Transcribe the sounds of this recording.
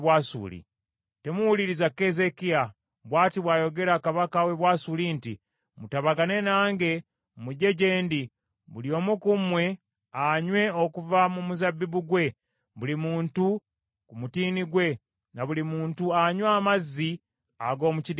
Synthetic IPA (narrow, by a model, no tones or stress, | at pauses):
wasṵːlḭ | te̞muwuliɾizakːe̞ze̞kia | βwaːtiβwaːjo̞ɡe̞ɾakaβakawe̞βwaːsuliːnti | mutaβaɡane̞naːŋɡe̞ | muɟe̞ɟe̞ːndi | βuljo̞ːmukumwe̞ | aɲwe̞okuvamumuzabːiβuɡwe̞ | βulimuːntu | kumutiːniɡwe̞ | naβulimuːntuaɲwaːmazːi | aɡo̞ːmucid